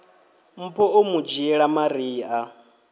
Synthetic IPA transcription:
m̩pʰɔʔomud͡ʒiɛɺamaɾiːʔa

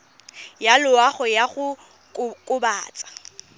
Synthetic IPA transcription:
jalʊwaχɔjaχʊ | kkʼʊbaːt͡sʼḁ

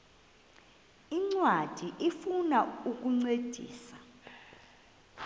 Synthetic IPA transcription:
iŋ͡ǀwad̥ʱiʔifunauk̬ʼuŋ͡ǀed̥ʱḭːsa

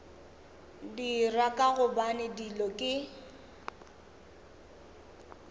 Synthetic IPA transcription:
dirakʼaɣʊbanɪdilɔkʼɪ

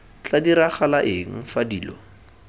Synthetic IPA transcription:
t͡ɬadiɾaχalaʔɪŋ̩fadiːlɔ

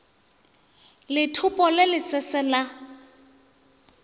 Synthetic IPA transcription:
lɪtʰʊpʼɔlɪlɪsɛsɛla

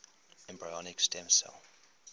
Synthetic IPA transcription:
ɛ̃mbɹaɔnɪkstɛ̃msɛ̰l

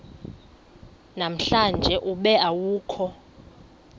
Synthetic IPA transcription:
nam̩ɬand͡ʒʱɛʔuɓɛawuːkʰɔ

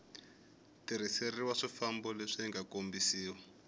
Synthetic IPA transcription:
tiɾ̤iseriwaʂifambɔleʂiŋɡakombisiːwa

